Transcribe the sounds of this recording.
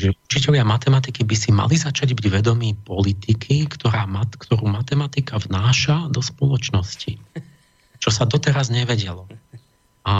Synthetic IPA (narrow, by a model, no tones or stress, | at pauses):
ʒɛut͡ʃicɛʎɪamat̪ɛmat̪ikibisima̰lizat͡ʃaɟbiɟʋɛd̪ɔmiːpɔlit̪ikʰikt̪ɔɾaːmatkt̪ɔɾuːmat̪ɛmat̪ikavnaːʃad̪ɔspɔlɔt͡ʃnɔsci | t͡ʃɔsad̪ɔt̪ɛɾazɲɛʋɛɟɛlɔ | a